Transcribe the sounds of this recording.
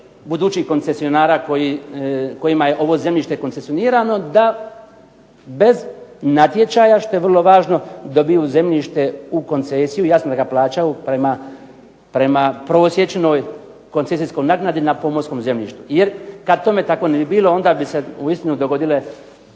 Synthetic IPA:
bud̪uːt͡ʃihko̞nt̪se̞sijo̞naːɾaːkojiko̞jimaje̞ʔoʋo̞ːze̞mʎʲiːʃt̪e̞kont̪esio̞niːɾaːno̞d̪a | be̞znat̪je̞t͡ʃaːjaʃt̪o̞jeʋrlˠo̞ʋaːʒno̞d̪obijuze̞mʎʲiʃt̪e̞uko̞nt̪sesijujaːsnod̪aɡaplˠaːt͡ʃaupɾema | pɾe̞mapɾo̞ːsje̞t͡ʃenoːj | ko̞nt̪esisko̞jnaɡnad̪inapo̞mosko̞ːmze̞mʎʲḭːʃt̪ujeɾkad̪̚t̪o̞me̞t̪ako̞nebibiːlo̞o̞nd̪aːbiseuist̪inud̪o̞ɡo̞d̪ile̞

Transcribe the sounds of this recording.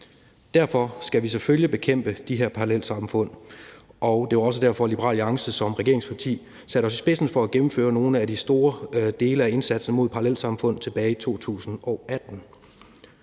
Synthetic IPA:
d̥æɐ̰fɒ̽sɡ̥æʋisɒføljəb̥e̝kʰem̰b̥əd̥iɦeɐ̰pʰɑ̈ʁɑlel̰sɑ̈mfɔ̽n̰ʔɒʊd̥e̝ʋɑ̈ɒ̽s̬ədæɐfɒ̽lib̥əʁɑ̰̈ːlɑ̈ŋsəsɒ̽mʁɐɛɡ̥e̝ɐeŋspʰɑ̈t͡sʰḭː | sæɾəɒ̽s̬isb̥e̝sn̩fɒ̽æɡ̥emm̩fø̰ːɐno̝ːnəæd̥isd̥o̝ːɐd̥e̝ːləæe̝nsæd̥sn̩mo̝ð̰ˠpʰɑ̈ɑlel̰sɑ̈mfɔ̽n̰ð̩ˠt͡sʰe̝b̥ɛːɪit͡sʰo̝̰ːt͡sʰṵːsn̩ɒ̽ʊʔæd̥n̩

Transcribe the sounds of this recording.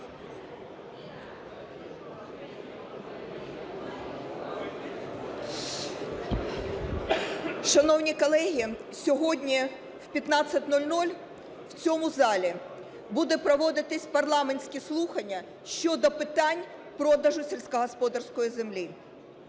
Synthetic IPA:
ʃɐnɔwnʲikɔlˠɛɦʲisʲɔɦɔdʲnʲi | wpʲjɐt̪nɑt͡sʲsʲɐt̚ʲnɔlʲnɔlʲ | wt͡sʲɔmʊzɑlʲi | bud̪ɛpɾɔʋɔd̪ɪt̪ɪsʲpɐrlˠɑmenʲsʲkʲɪslˠuxɐnʲːɐ | ʃt͡ʃɔd̪ɔpɪt̪ɑnʲpɾɔd̪ɐʒʊsʲelʲsʲkɐɦɔspɔd̪ɐrsʲkɔjizemlʲi

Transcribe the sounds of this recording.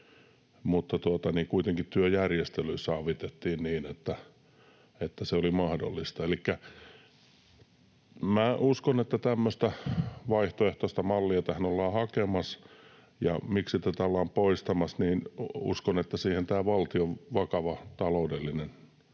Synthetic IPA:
mut̪ːɑt̪uɑt̪ɑniːŋkuit̪eŋkit̪t̪yøjærjest̪elyisɑːʋit̪et̪ːiːnniːnet̪ːæ | et̪ːæseolimɑhdo̰lːist̪ɑelikːæ | mæuskonet̪ːæt̪æmːøst̪æʋɑiht̪oeht̪oist̪ɑmɑlːiɑt̪æhænolːɑːhɑkemɑs | jɑ̰miksit̪æt̪æolːɑːmpoist̪ɑmɑsniːnṵskonet̪ːæsiːhent̪æːʋɑlt̪ioʋʋɑkɑʋɑt̪ɑloudelːinen

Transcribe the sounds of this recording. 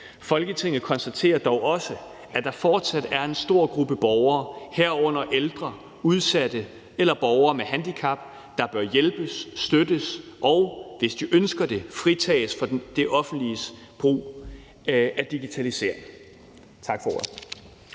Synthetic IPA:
fɒ̽lɡ̥ət͡sʰe̝ŋ̰ð̩ˠkʰɒ̽nsd̥æt͡sʰe̝̰ːɐd̥ɒʊʔɒ̽sə | æd̥ɑ̈fɒːd̥sæd̥æɐe̝nsd̥o̝ɐ̰ɡ̥ʁub̥əb̥ɒʊɐːhæɐ̰ɔ̽n̰ɐʔeld̥ʁɐ | uð̞ˠsæd̥ə | elɐb̥ɒʊɐːmehænd̥ikʰɑ̈b̥ | d̥ɑ̈b̥ɶɐjelb̥əsːd̥ødəsʔɒʊʋe̝sd̥iʔønsɡ̥ɐd̥e̝fʁit͡sʰɛ̰ːsfɒ̽d̥e̝ʔɒ̽fn̩d̥lis | b̥ʁṵː | ʔæd̥iɡ̥it͡sʰælise̝̰ɐeŋ | t͡sʰɑ̈ɡ̥fɒo̰

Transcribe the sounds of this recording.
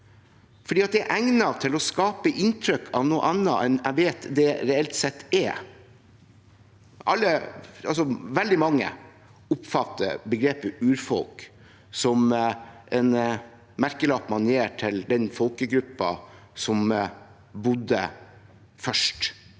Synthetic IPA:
fɔɖiːɑt̪̚d̪ɛæʔæŋnɑt̪ʰɪlɔskɑːpəʔɪnt̪ʰɾœkʰːɑʋnuːʔɑnːə̰ʔɛnæʋeːt̪d̪ɛɾɛɛlt̪sɛt̪ːɛ | ʔɑlːəɑls̬ɔʋɛld̪ɪmɑŋːə̰ | ʊpfɑt̪ːə̰bəɡɾeːpəʉːɾfɔlk | sɔmʔɛn | mæɾkəlɑːpmɑnjeːʈʰɪld̪ɛnfɔlkəɡɾʉpːɑ̰ | sɔm | bʊd̪ːə̰ | fœʂʈ

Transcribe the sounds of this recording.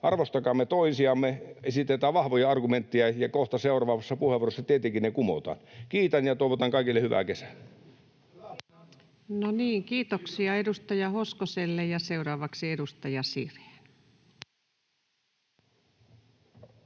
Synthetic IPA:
ʔɑrʋost̪ɑkɑːmːet̪oisiɑmːeesit̪et̪æːʋʋɑhʋojɑɑrɡument̪ːiɑjɑkoht̪ɑseˑurɑʋɑːʋɑsːɑpuheʋuorosːɑt̪iet̪ikinnekumo̰t̪ɑ̰ːnkiːt̪ænjɑt̪oˑiʋot̪ɑŋkɑˑikilːehyʋæ̰kesæ̥lːe | noniːŋkiːt̪oksiɑedust̪ɑjɑhoskoselːejɑseurɑːʋɑksiedust̪ɑjɑsḭrhe̥n

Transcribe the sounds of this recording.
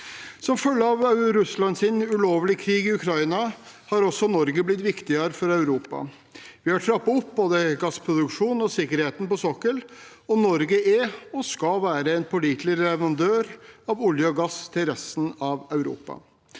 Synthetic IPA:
sɔmfœlːəɑʋɑʉɾʉslɑnsɪnʉloːʋlɪkʰɾiːɡɪʉkʰɾɑɪnɑhɑɾɔsːɔnɔɾɡəblɪt̪ːʋɪkt̪ɪəɾəfɔɾɑʉɾuːpɑ̰ | ʋɪhɑʈʰɾɑpːɑɔp̚ːboːd̪əɡɑspʰɾʊd̪ʉkʂuːnɔsɪkːəɾheːt̪n̩pɔsɔkːəl | ɔnɔɾɡəɛɔskɑʋæːɾəɛnpʰʊliːt̪ləɾlɛʋɾɑnd̪øːɾɑʋʊljəɔɡɑst̪ʰɪlɾɛst̪n̩ɑʋœʉɾṵːpɑ̰

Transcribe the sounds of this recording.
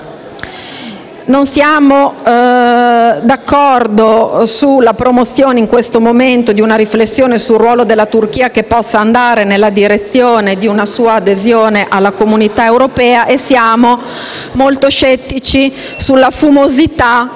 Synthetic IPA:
nonsjaːmo | d̪akːɔrd̪osulːapɾomot̪sːjoːneiŋkwest̪omoment̪od̪iunaɾiflesːjoːnesulrwɔːlod̪elːat̪urk̟iːakepːɔsːaːnd̪aːɾenelːad̪iɾet̪sːjoːned̪iunasuːaːd̪ezjoːneʔalːakomunit̪aewɾopɛːaʔesːjaːmo | molt̪oʃɛt̪ːit͡ʃi | sulːafumozit̪a

